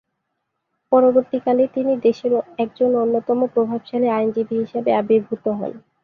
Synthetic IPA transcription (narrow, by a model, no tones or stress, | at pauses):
pɔɾoboɾt̪ikalet̪inid̪eʃeɾoɛk̚d͡ʑononːot̪ɔmopɾobʱabʃaleajnd͡ʑibʱiɦiʃebeabeɾbʱut̪oɦɔ̰n